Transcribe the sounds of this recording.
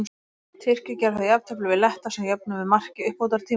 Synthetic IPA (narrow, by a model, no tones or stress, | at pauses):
t̪ʰɪr̥cɪcɛɾθaðjapn̥t̪ʰɛplʏvɪðlɛht̪asɛmjap̚nʏvɪðmar̥cɪʏhpowt̪aɾ̥t̪ʰiː